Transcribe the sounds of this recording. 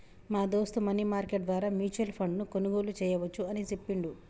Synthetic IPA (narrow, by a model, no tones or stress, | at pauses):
maːd̪o̞ːst̪umɐniːmaːɾkeʈ̚d̪ʋaːɾaːmjuːt͡ʃɐlpʰɐɳɖnukonuɡo̞ːlut͡ʃɛːjɐʋɐt͡ʃːuɐnit͡ʃepːiɳɖu